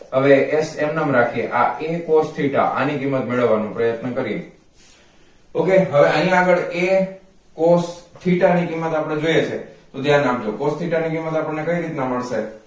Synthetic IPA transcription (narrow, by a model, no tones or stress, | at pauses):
ɦəʋeʔesemnamɾakʰieʔaʔekost̪ʰiʈa̰ʔa̰nikimːət̪meɭəʋːanũpɾəjət̪nəkəɾiḛ | okeɦəeʔəɦĩaɡəɭe | kost̪ʰiʈanikimːət̪apɽ̃ed͡ʒojet͡ʃʰet̪od̪jãnabd͡ʒokost̪ʰiʈanikimːət̪apəɳnekəiɾit̪naməɭʃe